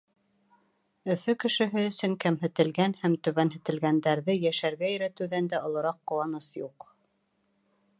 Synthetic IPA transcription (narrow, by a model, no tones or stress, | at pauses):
ɵ̆fɵkɘ̆ʃɘ̆ɦɘɵ̆sɵŋkæmɦɘ̆t̪ɘ̆lɡænhæmt̪ɵ̆βænɦɘ̆t̪ɘ̆lɡænd̪æɾðɘjæʃæɾɡæjɵ̆ɾæt̪ɘ̆wðænd̪æŏlˠŏɾɑqːŏwɑnɤsjuq